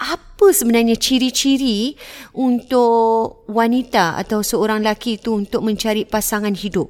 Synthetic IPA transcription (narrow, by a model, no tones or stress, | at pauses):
apəsəbənarɲãt͡ʃiɾit͡ʃiɾiunt̪ʊʔwanit̪aa̰t̪awsəoɾaŋlakiːt̪uːnt̪ʊk̚mə̃ɲt͡ʃaɾipasaŋãnhidʊp̚